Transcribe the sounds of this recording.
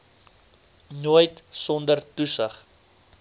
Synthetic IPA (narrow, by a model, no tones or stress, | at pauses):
nuəjtsɔndərtusəχ